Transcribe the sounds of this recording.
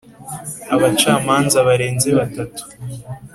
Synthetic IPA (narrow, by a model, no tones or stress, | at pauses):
aβat͡ʃaːmaːnzaβaɾe̞ːnze̞βatatu̥